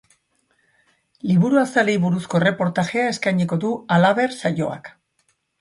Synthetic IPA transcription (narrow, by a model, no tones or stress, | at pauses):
liβuɾuasale̞jβuɾusko̞ere̞po̞ɾt̪aɣe̞ae̞skajɲiko̞ðualaβe̞ɾsajo̞̰a̰k